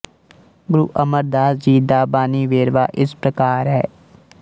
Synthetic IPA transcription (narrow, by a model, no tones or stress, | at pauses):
ɡʊɾuʔəməɾd̪aːsd͡ʒiːd̪aːbaːniʋeːɾʋa̰ːʔɪspɾəkaːɾɦɛ̰ː